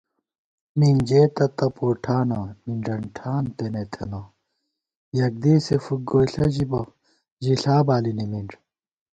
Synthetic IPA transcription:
mind͡ʑeːt̪ɐt̪ɐpoːʈʰaːnɐmiɳɖɐɳʈʰaːnt̪enet̪ʰḛnɐ | jɐk̚d̪esefuɡoːiɬɐʑibɐ | ʑiɬaːbaːlinimiɳʈ͡ʂ

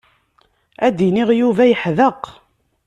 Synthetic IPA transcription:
æd̪iniʁjuvæjəħðəq

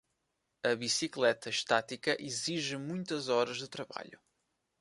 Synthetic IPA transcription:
ɐβisiklˠɛt̪ɐʃt̪at̪ikɐʔiziʒɨmũj̃t̪ɐzɔɾɐʒðɨt̪ɾɐβa̰ʎṵ

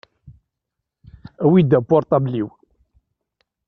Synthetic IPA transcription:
æwid̪æpːɔɾˤt̪ˤɑbliw

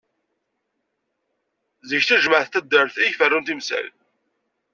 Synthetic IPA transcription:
zəçθæʒməʕθt̪ːæd̪ːəɾθijfərːunt̪imsæ̰l

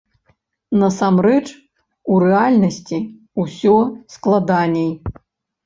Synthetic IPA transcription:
nɐsamrɛt͡ʂ | urɛalʲnɐsʲt͡sʲi | usʲɔsklˠad̪anʲɛj

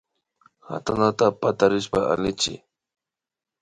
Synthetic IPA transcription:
xa̰t̪anat̪apat̪aɾɪʃpaa̰lɪt͡ʃɪ̰

